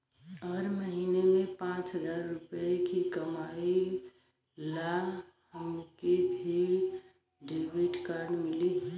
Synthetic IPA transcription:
ɔːɾməɦinemẽpãt͡ʃɦəd͡ʒaːɾːʊpekikəmai | la | həmkebʱi | ɖebiʈkaɾɖmɪli

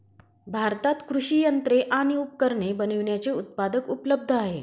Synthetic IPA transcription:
bʱaɾt̪at̪kɾuʂijənt̪ɾeʔaɽ̃iup̚kəɾɳebəniʋɳjat͡seut̪̚pad̪əkupləb̚d̪ʱəaɦe

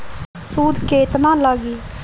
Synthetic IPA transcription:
suːd̪keːt̪nãːlaːɡiː

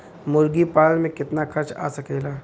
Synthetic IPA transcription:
mʊɾɡipaːlmẽkɪt̪nakʰɐɾt͡ʃa̰ːsɐkeːlaː

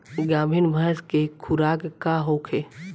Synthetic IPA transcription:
ɡaːmʱinmʱəskekʰʊɾaːkkaɦoːkʰeː

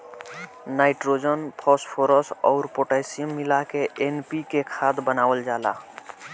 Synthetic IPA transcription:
naːɪʈɾoːd͡ʒənpʰɔːspʰoːɾəsɔːɾpoːʈaɪsijəmːɪlakeʔeːnpikekʰaːt̪bənaːwəld͡ʒaːla̰ː

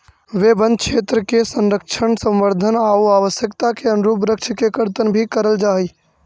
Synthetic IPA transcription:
ʋeːbə̃nd̪̚kʃʰeːt̪ɾəkesə̃nɾəkʃʰəɳsə̃mʋəɾd̪ʱənaːuaːʋəsjəkt̪akeənɾuːpɾəkʃəkekəɾt̪ənbʱikəɾəld͡ʒaːɦiː

